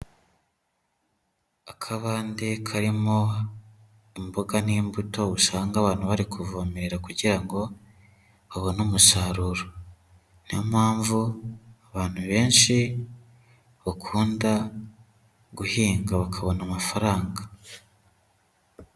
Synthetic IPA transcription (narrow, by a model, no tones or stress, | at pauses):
akʰaβaːndekʰaɾimo̞ | imboɡaniːmbuto̞uʃaːŋɡaβaːn̥huβaɾikʰuvomeɾe̞ɾakuɟiɾaŋɡo̞ | βaβo̞nomusaːɾuːɾo | niamhaːɱvuaβaːn̥huβe̞ːnʃi | βakʰuːnda | ɡuhiːŋɡaβakʰaβo̞namafaɾaːŋɡa